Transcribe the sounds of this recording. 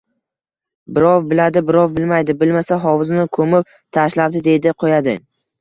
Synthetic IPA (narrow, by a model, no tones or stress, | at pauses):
bɪɾɒwbɪlad̪ɪbɪɾɒvbɪlmajd̪ɪbɪlmasaɦɒwɪznɪkʰɵmɪp̚ | t̪ʰaʃlap̚d̪ɪd̪e̞d̪ɪqʰojad̪ɪ